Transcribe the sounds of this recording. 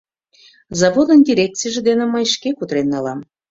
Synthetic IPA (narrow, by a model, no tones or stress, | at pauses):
zɑvod̪ənd̪ʲiɾʲek̪̚t͡sijʒĕd̪enĕməjʃkekut̪ɾenːɑlɑm